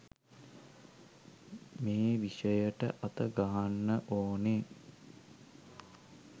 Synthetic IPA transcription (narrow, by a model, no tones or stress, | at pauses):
meːʋiʂəjəʈə̰ʔat̪əɡaɦanːəʔoːne